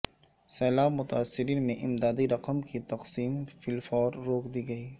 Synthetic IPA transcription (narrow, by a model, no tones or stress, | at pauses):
sɛːlaːbmʊt̪aːsːɪɾiːnmẽʔɪmd̪aːd̪iɾɐqəmkit̪ɐqsiːmfɪlfɔːɾːoːkd̪iːɡɐiː